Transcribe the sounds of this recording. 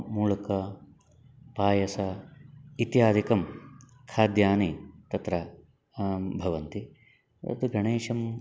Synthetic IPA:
muːlɐkɐ | paːjɐsɐ | it̪jaːd̪ʱikɐm | kʰaːd̪jaːnit̪ɐt̪ɾɐ | bʱɐʋɐnt̪i | ɐ̰t̪uɡɐɳeːʂɐm

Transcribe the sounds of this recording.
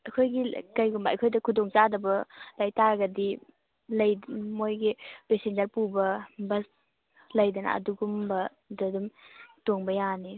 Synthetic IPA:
ɐkʰojɡikajɡumbaɐ̰kʰojdɐkʰudoŋt͡ʃadɐbɐlajtaɡɐdi | lɐjmojɡipesend͡ʒɐɾpubɐbɐs | lɐjdɐnɐ̰ɐ̰duɡumbɐ | dɐdumtoŋbɐjani

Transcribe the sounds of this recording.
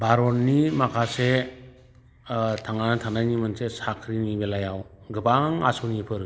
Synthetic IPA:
baɾɔnːimakʰase | tʰaŋanatʰanajnimɯnsesakʰɾinibelajawɡɯbaŋa̰sɔnipʰɯɾ

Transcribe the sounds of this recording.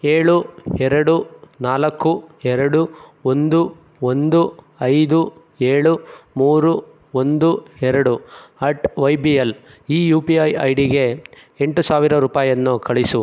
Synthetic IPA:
eːɭuɛɾɐɽunaːlɐkːuɛɾɐɽuo̞nd̪u | o̞nd̪u | ɐjd̪u | eːɭumuːɾu | o̞nd̪uɛɾɐɽuɐʈʋɐjbiɐliːjuːpiɐjɐ̰jɽiɡe̞ | eɳʈusaːʋiɾɐɾuːpaːjɐnːukɐɭisu

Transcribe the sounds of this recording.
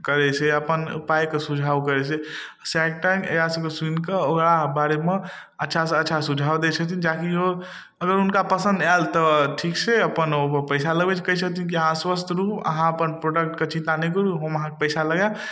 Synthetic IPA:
kəɾɛt͡ʃʰeəpənupajkesud͡ʒʱawkəɾet͡ʃʰe | sɛk̚ʈaŋḛkasə̃keswinkeokɽabaɾeme | ətːʃʰasətːʃʰasud͡ʒʱawd̪et͡ʃʰəkt̪̬ind͡ʒakio | əɡəɾunkapəsə̃nd̪ɛlt̪əʈʰikseəpənoəpəɪsaləɡbet͡ʃʰkəɦisʰəkt̪̬ʰink̬iəɦãswəst̪ʰɾupə̰ɦãəpənpɾoɖək̚ʈket͡ʃint̪anek̬əɾuɦoməɦãkepəɪsaləɡa

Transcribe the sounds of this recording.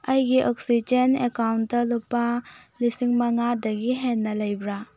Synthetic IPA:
ɐjɡiʔɔksid͡ʒenekawnɐlupːalisiŋmɐŋadɐɡiɦenːɐlɐjbɾa

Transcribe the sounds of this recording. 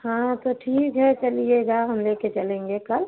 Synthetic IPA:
hãt̪oʈʰiːkɦɛt͡ʃəlieɡaɦəmleket͡ʃəlẽːŋɡekəl

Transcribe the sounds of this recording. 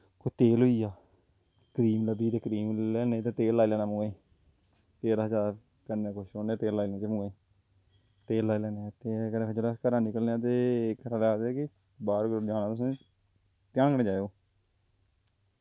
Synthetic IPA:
kot̪eːlʊiːaː | kəɾiːmləbiːt̪eːkəɾiːmlɛːneːt̪eːt̪eːlːaːilɛːnãːmʊŋeː | t̪eːɾaːɦəd͡ʒaːɾ | kənːekʰʊʃoːneːt̪eːlːaːiːlẽːt͡ʃ̪emʊeː | t̪eːlːaːiːlɛːneːt̪eːkəneːpʰeːd͡ʒolskəɾãːnɪkəlnːaːt̪̬eːkɾalaːd̪ɛːkɪ | baːɾɡɾod͡ʒãːnaːt̪ʊsẽː | t̪jãːŋnẽːd͡ʒaːeoː

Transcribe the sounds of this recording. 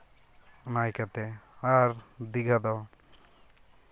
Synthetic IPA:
najkat̪ɛaɾd̪iɡad̪ɔ

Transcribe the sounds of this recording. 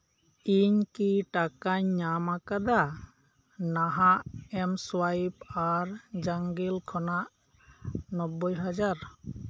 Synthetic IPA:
iɲkiʈakaɲːamakad̪a | naɦaʔɛmswajbaɾd͡ʒaŋɡilkʰɔnaʔ | nɔbːɔjɦad͡ʒaɾ

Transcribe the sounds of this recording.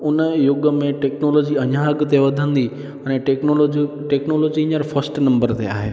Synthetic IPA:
ʊnəjʊɡəmẽʈeːknoːloːd͡ʑiɐɲãɐɡt̪eʋɐd̪ʱə̃nd̪i | ɛ̃ʈeknoloi | ʈeːknoːloːd͡ʑiɪ̃ɲəɾfɐsʈnɐ̃mbəɾt̪ḛa̰ːɦḛː

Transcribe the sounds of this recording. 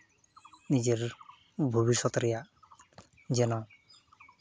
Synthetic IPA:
nid͡ʒeɾ | bʱubisɔt̪ɾɛja | d͡ʒɛnɔ

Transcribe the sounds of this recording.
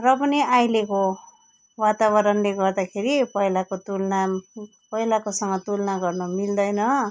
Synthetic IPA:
rʌpʌniajleko | wat̪aβʌɾʌnleɡʌrd̪akʰeɾipʌɦilakot̪ulna | pʌɦilakosʌŋɡʌt̪ulnaɡʌrnʌmild̪ʌjnʌ

